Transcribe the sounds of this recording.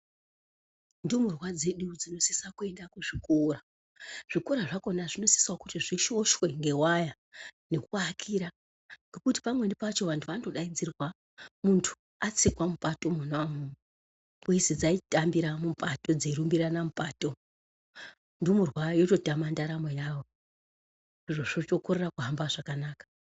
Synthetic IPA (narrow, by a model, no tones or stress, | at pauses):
ndumurwad͡ze̞ɗud͡zino̞si̥sakue̞ndakuʐikora | ʐ̥ikoɾaʐako̞naʐino̞si̥swokutiʐiʃo̞ʃwe̞ŋɡe̞waja | ne̞kuakʰiːɾa | ŋɡe̞kuti̥pamwe̞nipat͡ʃo̞ʋantʰuʋando̞ɗaind͡zirwa | muntʰu̥ | at͡sikwamupato̞munamu | kuisid͡zaitambiɾamumpʼato̞d͡zeiɾumbiɾanamupaːto̞ | nduomurwajoto̞tamandaɾamwejaʋo̞ | iʐoʐot͡ʃokoɾerakuɦambaʐakanaːkḁ